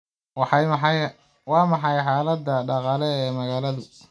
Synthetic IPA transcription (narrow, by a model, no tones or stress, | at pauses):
wɑħɑmɑj | wɑːmɑħɑjħaːlɐd̪ːɐɖɑqɑːlɛɛːmɐɣaːlɐðʊ